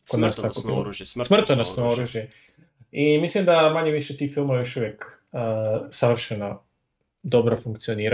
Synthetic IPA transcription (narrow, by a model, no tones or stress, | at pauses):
kod̪naːst̪akobḭlˠo̰smr̩t̪onasnooɾuːʒje | imislimd̪amaɲeʋiʃet̪iːxfilˠmaʋajoʃuʋjek | əsaʋr̩ʃena | d̪obɾafuŋkt̪sijoniːɾa